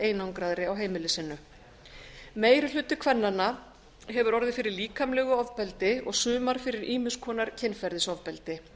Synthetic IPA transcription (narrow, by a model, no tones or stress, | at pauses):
eːjnawŋkɾaðɾɪawɦeːjmɪlɪsɪnːʏ | meːjɾɪl̥ʏːt̪ʏkʰvɛnːana | ɦɛvʏɾɔɾðɪfɪɾɪɾliːkʰamlɛɣʏɔvpɛlt̪ɪɔɣsʏːmaɾ̥fɪɾɪɾʔiːmɪskʰɔːnaɾ̥cʰɛnfɛɾðɪsɔvpɛlt̪ɪ